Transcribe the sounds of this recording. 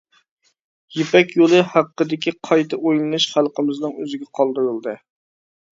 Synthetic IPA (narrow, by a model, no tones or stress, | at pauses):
jepʰɛkʲjolˠɨhæqːəd̪ɪkʲʰiqʰɑjt̪ʰɨʔojlˠɨnɨʃχælˠqəmɨznɨŋøzɪɡʲɛqʰɑlˠd̪ɨɾɨlˠd̪ɨ